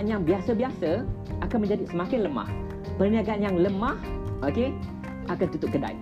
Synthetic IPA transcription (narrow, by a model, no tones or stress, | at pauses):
njaŋbiasəbiasəakanmə̃ɲd͡ʒadisəmakɪnləma̰h | pərniaɡanjaŋləmãhʔoke | ʔakant̪ut̪ʊp̚ɡəda̰j